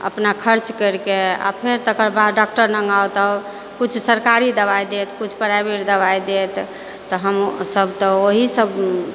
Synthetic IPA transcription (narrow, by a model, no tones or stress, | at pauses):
ə̰pnakʰəɾt͡ʃkəɾkea̰pʰeɾt̪əkəɾbaɖak̚ʈəɾnəŋɡawt̪ə | kut͡ʃʰsəɾkaɾid̪əbajd̪et̪kut͡ʃʰpəɾabiɾd̪əbajd̪et̪ː | ɔɦəmsəbt̪ɔoɦisəb